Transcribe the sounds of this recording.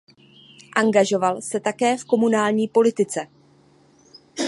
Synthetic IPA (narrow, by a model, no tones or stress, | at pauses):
ʔaŋɡaʒo̞valsɛt̪akɛːfko̞munaːlɲiːpo̞lɪt̪ɪt͡sɛ